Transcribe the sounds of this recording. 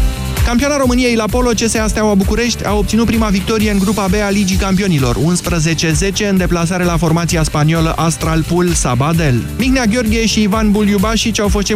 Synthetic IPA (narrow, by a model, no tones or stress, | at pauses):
kampioanaɾo̞mɨnije̞jlapo̞lo̞t͡ʃe̞seast̪awabukuɾe̞ʃt̪ʲa̰wop̪̚siut̪̚pɾimavik̚t̪o̞ɾije̞ɨŋɡɾupabe̞alid͡ʒikampio̞nilo̞̰runspɾəze̞t͡ʃe̞ze̞t͡ʃe̞ɨnd̪e̞plas̬aɾe̞lafo̞rmat̪siaspaniolə̰ʔast̪ɾalpulsabad̪e̞lmiɡneaɡʲjo̞rɡʲieʃiːvanbuljubaʃit͡ʃʲawfo̞st̪t͡ʃe